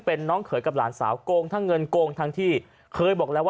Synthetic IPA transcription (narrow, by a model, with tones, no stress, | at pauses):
pe˧nːɔː˦˥ŋkʰɤː˩˦jka˨˩laː˩˦nsa̰ː˩˦wkoː˧ŋt̪ʰaː˧˥˩ŋːɤ˧nkoː˧ŋt̪ʰa˧ŋt̪ʰiː˥˩ | kʰɤː˧jbɔː˨˩k̚lɛː˦˥wa˥